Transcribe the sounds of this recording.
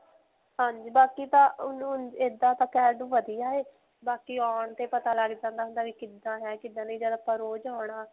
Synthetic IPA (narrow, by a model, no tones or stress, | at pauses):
ɦãːɲd͡ʒiːbaːkiːt̪ãːʊnũːed̪ãːt̪ãːkɛːɖũːʋəd̪ijaːeː | baːkiːɔːɳt̪eːpət̪aːləɡd͡ʒãːnd̪aːɦʊnd̪aːʋiːkɪd̪ãːɦɛːkɪd̪ãːnĩːd͡ʒəːd̪aːpəɾoːd͡ʒaːɳaː